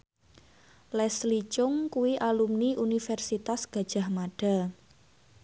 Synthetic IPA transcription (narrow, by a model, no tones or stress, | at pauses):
lɛslit͡ʃʊŋkuwiʔalumniʔunifɛrsit̪asɡ̥a̤d̥ʒ̥a̤hmaɖ̥a̤